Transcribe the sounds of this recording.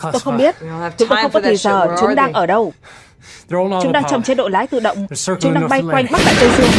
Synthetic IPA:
t̪o˧jxə˧wŋ͡mɓi˦˥ət̚t͡ɕʊ˨˦ŋ͡mt̪xə˧wŋ͡mkɔ˨˧t̪ʰi˧˩zəː˨˩t͡ɕʊ˨˦ŋ͡mɗaː˧ŋʔəː˧˩ɗə˧w | ŋ͡mt͡ɕʊ˨˦ŋ͡mɗaː˧ŋt͡ɕɔ˨˩ŋ͡mt͡ɕe˨˧˥t̚ɗo̰˧˨laː˨˦jt̪ɨ̰˧˨ɗə̰˧˨wŋ͡mt͡ɕʊ˨˦ŋ͡mɗaː˧ŋɓa˧jkwa˧jŋ̟ɓa˦˥k̚ɗa̰ː˧˨˩zə˧jzɨ˧əŋ

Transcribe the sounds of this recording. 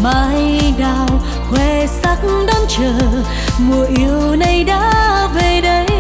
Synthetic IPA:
maː˨˦jɗaː˧˨ww | hwɛ˧˩ | sa˦˥k̚ŋ̩ɗɔ˧nt͡ɕəː˨˩ | mu˨˩əʔi˧˦əwwwna˧jɗaː˧˥ve˨˩ɗə˨˦j

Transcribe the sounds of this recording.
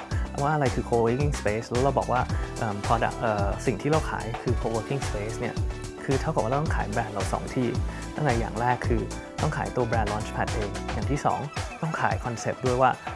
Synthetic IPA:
waː˥˩ʔa˧ɾa˧jkʰɯː˧kʰoː˧wki˥˩ŋspeː˦˥slɛː˧˦˥wɾa˧wbɔː˨˩k̚waː˥˩ʔɤː˨˩mpʰɔː˧da̰˨˩k̚ʔɤː˨˩si˨˩ŋt̪ʰiː˥˩ɾa˧wkʰa̰ː˩˦jkʰɯː˧kʰoː˧wəː˦˥kʰi˥˩ŋspeː˦˥sni˥˩ɐ | kʰɯː˧t̪ʰa˦˥wkɔ˨˩waː˥˧˩t̪ɔ˥ŋkʰːjbɾɛː˧nɾa˧wsɔ̰ː˩˦ŋt̪ʰiː˥˩ | t̪ʰa˥˩˨ʔa˧ja̰ː˨˩ŋɾɛː˥˩kʰːɯː˧ | t̪ɔ˥˩ŋkʰaː˩˦jt̪u˧ɐbɛː˧nlɔː˦˥nt͡ʃpʰa˨˩t̪̚ʔeː˧ŋjaː˨˩ŋt̪ʰiː˥˩sɔ̰ː˩˦ŋt̪ɔ˥˩ŋkʰaː˩˦jkʰɔ˧nse˨˩p̚du˥˩əjwaː˥˩

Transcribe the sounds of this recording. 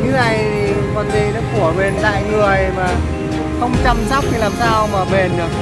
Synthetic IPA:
ɲɨ˨˦na˧˩jʰ | i˨˩mɔ˨˩nzḭ˧˨nɔ˨˦ku˧˩əɓe˨˩nt̪a̰ː˧˨jŋɨ˨˩əjmaː˨˩ | xə˧wŋ͡mt͡ɕa˧mza˦˥wk͡p̚kʰi˧laː˨˩msaː˧wmaː˨˩ɓe˨˩n˨˩k

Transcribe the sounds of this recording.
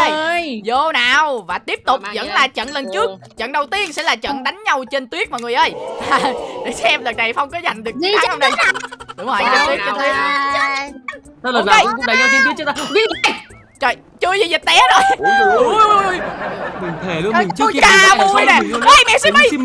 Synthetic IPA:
ʔə˧jzo˧˩naː˨˩wvaː˨˩t̪i˦˥əp̚t̪ʊ˨˩k͡p̚zə̰˧˥nlaː˨˩t͡ɕə̰˧˨nlə˨˩nt͡ɕɨ˦˥ək | t͡ɕə̰˧˨nɗə˨˩wt̪i˧ənsɛ̰˧˥laː˨˩t͡ɕə̰˧˨nɗa˨˦jŋ̟ɲa˧wt͡ɕe˧nt̪wi˦˥ət̚ma˨˩ŋɨ˨˩əʔəː˧˩ja˨˧˩ɗə˨˩sɛ˧mləː˨˩ɗa˨˩fə˧wŋ͡mkɔ˨˦za˨˩jŋ̟ɗɨ˨˩ək̚hŋ͡mɗə˧jɗʊ˨˦ŋ͡mhəː˨˩˨t̪i˦˥˧t̪ʰi˦ə˦˧˦ | la˧˩˧kɗə˨˩jɲa˧i˧nt̪w̚a˧ | t͡ɕə˨˩j | t͡ɕɨ˧əjzi˨˩zi˨˩t̚ɗɛ˨˦zo˨˩j | jɓi˨˩ŋt̪ʰe˨˩lɨ˧˩˨t͡ɕkaː˨˧˩mu˧jna˨˩˧ʔə˧˩jmɛ̰˧˨si˧m˧˩j

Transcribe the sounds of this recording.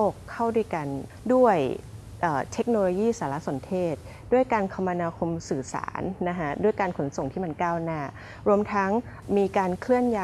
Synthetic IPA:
oː˥˩kʰːa˥˩wdu˥˩ə˨jka˧n | du˥˩əj | ʔɤː˨˩t̪ʰe˦˥k̚noː˧loː˧jiː˥˩saː˩˦la˦˥so˩˦nt̪ʰeː˥˩t̪̚ | du˥˩əjkaː˧nkʰa˧mːa˧naː˧kʰo˧msɯː˨˩sa̰ː˩˦nːa˦˥kʰa˦˥du˥˩əjkaː˧nkʰo˩˦nso˨˩ŋt̪ʰiː˥˩ma˧nkaː˥˩wnaː˥˩ | ɾu˧əmt̪ʰa˦˥ŋ | miː˧kaː˧nkʰlɯ˥˩ənjaː˧

